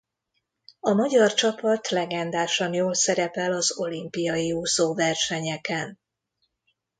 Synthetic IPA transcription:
ɒmɒɟɒrt͡ʃɒpɒt̪lɛɡɛnd̪aːʃɒnjoːlsɛɾɛpɛlɒzo̞limpijɒjiuːsoːvɛrʃɛɲɛkɛn

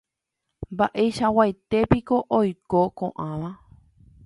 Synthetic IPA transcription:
mbaʔeʃawajt̪e̞piko̞ʔojkokõʔãʋã

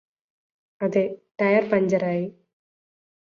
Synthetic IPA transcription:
ɐðeʈɐjɐrpɐɲd͡ʑɐɾaːji

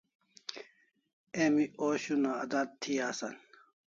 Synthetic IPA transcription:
emiʔoːɕunaɐd̪at̪̚t̪ʰːiaːsan

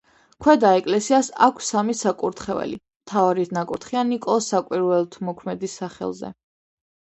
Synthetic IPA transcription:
kʰwɛd̪aɛkʼlɛsiasa̰kʷʰsamisakʼuɾt̪ʰχɛvɛ̰lḭ | mt̪ʰavaɾit̪ʰnakʼuɾt̪χianikʼɔsakʼwiɾwɛlˠt̪ʰmɔkʰmɛd̪isaχɛ̰lˠzɛ̰

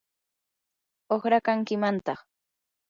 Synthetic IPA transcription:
oχɾakaŋkɪmant̪ɑχ

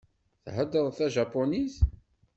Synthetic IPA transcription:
θħəd̪ːəðˤθæʒɑpːoniz

